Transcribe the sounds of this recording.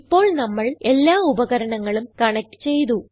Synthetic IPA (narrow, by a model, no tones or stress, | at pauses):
ipːo̞ːɭnɐmːɐɭe̞lːaːubɐɣɐɾɐɳɐŋːɐɭumkɐɳɐk̚ʈːɨ̥t͡ɕe̞jt̪̬u